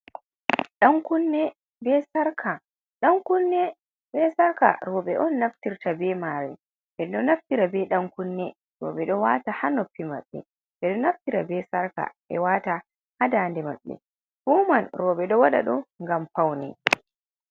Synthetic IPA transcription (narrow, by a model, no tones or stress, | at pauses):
ɗaŋkunːɛ | bɛsaɾkʰa | ɗaŋkunːɛ | bɛsaɾka̰ɾɔɓɛʔɔnːaftiɾtabɛmaɾɛ̰ | bɛɗɔnaftiɾabɛɗaŋkunːɛ | ɾɔ̰ːɓɛɗɔwatahanopːima̰ɓːɛ̰ | bɛɗɔnaftiɾa̰bɛsaɾka̰ | ɛ̰wata | hadaːndɛma̰ɓːɛ̰ | huːmanɾɔːɓɛɗɔwaɗa̰ɗɔŋɡampawnɛ̰